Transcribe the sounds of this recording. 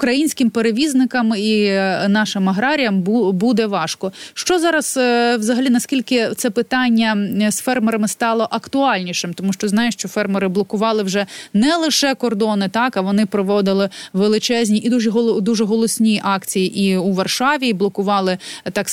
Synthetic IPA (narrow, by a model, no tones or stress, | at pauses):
ʊkɾɐjinʲsʲkɪmpeɾeʋʲiznɪkɐminɑʃɪmɐɦɾɑɾʲijɐmbud̪ɛʋɑʃkɔʃt͡ʃɔzɑɾɐswzɐɦɐlʲinɐskʲilʲkɪt̪sɛpɪt̪ɑnʲːɐsfɛrmeɾɐmɪst̪ɑlˠɔʔɐkt̪ʊɑlʲnʲiʃɪmt̪ɔmuʃt͡ʃɔznɑjʊʃt͡ʃɔfɛrmeɾɪblˠɔkʊʋɑlˠɪwʒɛnɛlˠɪʃɛkɔrd̪ɔnɪt̪ɑkɐʋɔnɪpɾɔʋɔd̪ɪlˠɪʋelˠɪt͡ʃɛzʲnʲiʔid̪uʒɛɦɔd̪uʒɛɦɔlˠɔsʲnʲijʔɑkt͡sʲijiʔiuʋɐrʃɑʋʲiblˠɔkʊʋɑlˠɪt̪ɑk